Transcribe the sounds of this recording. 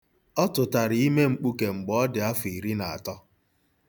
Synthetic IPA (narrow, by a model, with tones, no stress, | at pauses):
ɔ˦tʊ˨ta˨ɾɪ˨i˦me˦ŋ͡m̩˦k͡pu˦ke˨ŋ͡m̩˨ɡ͡bɔ˨ɔ˦dɪ˨a˦fi˨ɾi˦na˨a̰˨tɔ˦